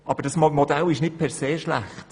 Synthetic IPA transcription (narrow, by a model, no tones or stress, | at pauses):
ɑb̥əɾdɑsmmodælɪʃnɪt̚pʰɛɾseːʃlæ̰χt